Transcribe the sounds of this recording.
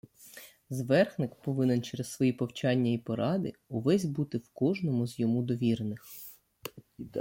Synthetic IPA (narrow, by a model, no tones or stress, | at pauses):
zʋɛrxnɪkpɔʋɪnent͡ʃɛɾessʋɔjipɔwt͡ʃɑnʲːɐipɔɾɑd̪ɪʊʋɛzʲbut̪ɪwkɔʒnɔmʊzjɔmud̪ɔʋʲiɾnɪx